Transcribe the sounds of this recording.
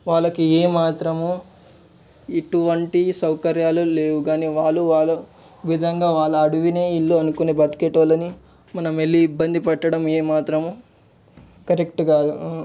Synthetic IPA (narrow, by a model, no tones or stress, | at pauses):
ʋaːɭːɐkieːmaːt̪ɾɐmu | iʈuʋɐɳʈisɐwkɐɾjaːlule̞ːwuɡaːniːʋaːɭːuʋaːɭːɐ | ʋid̪ʱɐŋɡaːʋaːɭːɐɐɽuʋine̞ːiɭːuɐnukuneːbɐt̪i̥keʈolɐni | mɐnɐmelːiːbːɐnd̪ipɛʈːɐɽɐmeːmaːt̪ɾɐmu | kɐɾek̚ʈɡaːd̪u